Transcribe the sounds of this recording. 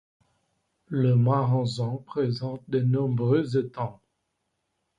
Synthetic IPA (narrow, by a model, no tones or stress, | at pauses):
ləmaʁɑ̃zɑ̃pχezɑ̃t̪̚d̪ənɔ̃bʁøzet̪ɑ̃